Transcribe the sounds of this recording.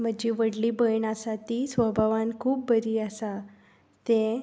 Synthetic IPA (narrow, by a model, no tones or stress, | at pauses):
m̤əd͡ʑiʋəɽlibəjɳasat̪isʋəbʱaʋankʰuːp̚bəɾiasa | t̪ẽ